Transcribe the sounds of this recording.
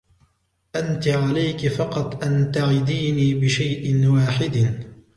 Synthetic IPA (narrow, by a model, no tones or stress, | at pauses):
ʔant̪ɪʕalajkɪfɑqɑt̪ˤʔant̪aʕɪd̪iːniːbɪʃajʔɪnwaːħɪd̪